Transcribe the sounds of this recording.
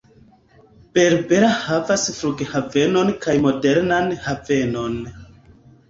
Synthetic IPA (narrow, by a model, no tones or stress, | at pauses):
pe̞ɾbeɾahavasfɾuɡhave̞no̞nkajmo̞de̞ɾnanhave̞no̞n